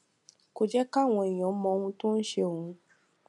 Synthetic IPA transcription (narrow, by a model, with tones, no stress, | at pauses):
ko˦d͡ʒɛ˦ka˦˨w̃ɔ̃˧i˨j̃ɔ̃˨˦mɔ̃˧hũ˧to˦n̩˦ʃe˧o˨ũ˧